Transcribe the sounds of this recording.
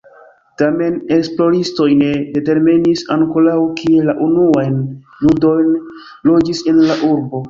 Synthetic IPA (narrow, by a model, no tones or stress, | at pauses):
tame̞neksplo̞ɾisto̞jne̞de̞te̞ɾminisaŋkolawkielaʔunuajn | ludo̞jn | lo̞d͡ʒise̞nlaʔuɾbo̞